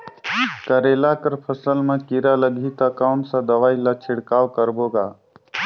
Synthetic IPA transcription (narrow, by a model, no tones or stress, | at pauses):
kəɾelakəɾpʰəsəlmẽkiɾaləɡʱit̪akaʊɳʈsãd̪əʋaːilat͡ʃʰɪɽkaːʋkəɾboːɡaː